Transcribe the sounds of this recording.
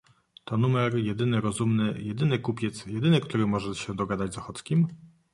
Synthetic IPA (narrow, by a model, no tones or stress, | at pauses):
t̪ɔnumɛɾjɛd̪ɘnɘɾɔzumnɘjɛd̪ɘnɘkupʲjɛt̪sjɛd̪ɘnɘkt̪uɾɘmɔʐɛɕɛd̪ɔɡad̪ad͡ʑzɔxɔt̪skʲim